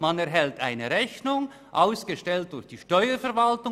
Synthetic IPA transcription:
manɛɐɦɛlta̰ɪnəɾɛçnʊŋ | ʔaʊsɡ̥əʃtɛlt̚d̥ʊçd̥iːʃtɔʏəfɛɐɾvaltʊ

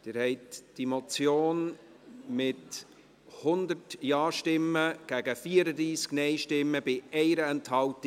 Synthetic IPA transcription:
d̥ɪːɾhɛɪtd̥imɔt͡sjoːn | mɪt | hʊnd̪əɾtjɑːʃtɪmːəɡ̥æɡəfiːəɾədɾiːsɡ̥nɛɪʃtɪmːəbɪʔɛɪɾəɛnthɑltɪ

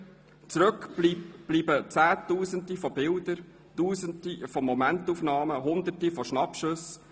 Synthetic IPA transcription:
t͡sɾɵklib̥liːbət͡sæːtuːzəndifɔbɪldəɾ | tuːzəndifɔmɔmɛntufnɑːməɦʊnd̪ərtifɔʃnɑpʃɵs

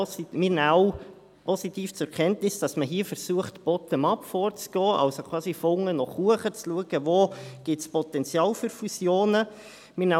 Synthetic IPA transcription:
mɪɾnaw | pɔsitiːft͡sʊɛkʰɛntnɪsd̥ɑsməɦiːfəɾsuəχtb̥ɔt̪ənɑpfɔːɾt͡sɡ̥ɔːʔɑ̰lsokʰv̥ɑːsifoŋənɔχuəχət͡sluəɡ̥əvoːɡ̥ɪtspɔtɛnt͡sjɑːlfyɾfusjoːnə | mɪna

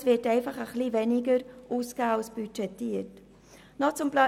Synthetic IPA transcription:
svɪtɛɪfɑχəχlivɛniɡəɾʔuskasb̥yt͡ʃɛtːiət | nɔt͡sʊmplɑ

